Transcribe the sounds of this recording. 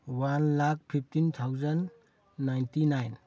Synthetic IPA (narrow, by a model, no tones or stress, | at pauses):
wanlak̚pʰip̚ʰtint̪ʰawzənː | ajntinajn